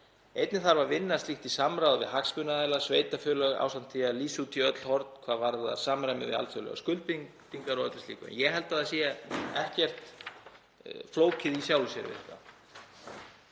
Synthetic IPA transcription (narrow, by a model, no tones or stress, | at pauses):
ejt̪nɪθaɾvaɾvɪnːast̪iht̪isamɾawðvɪ̰ɦakspʏnaðajlasveːjt̪afœːlœɣa̰ːwsan̥t̪ʰialiːsuːt̪ʰiœt̪l̥hɔɾt̪n̥kʰvaːðvaɾða̰saːmɾajmɪðvɪ̰a̰lt̪sœlœ̰ɣa̰skʏlt̪piŋ | t̪iŋkaɾɔt̪ḁt̪ḭːkʏɛ̰njɛɦɛlt̪aðasijːɛaɛhcɛr̥t̪ | floːwcɪðisjaːwlsjɛ̰ɾvɪ̰ðɛ̥t̪a̰